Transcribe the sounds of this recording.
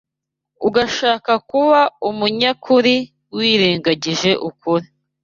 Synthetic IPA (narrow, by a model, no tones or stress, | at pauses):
uɡaʃaːkakuβaumuɲakuɾi | wiːɾiːŋɡaɟiʒe̞ʔukuɾi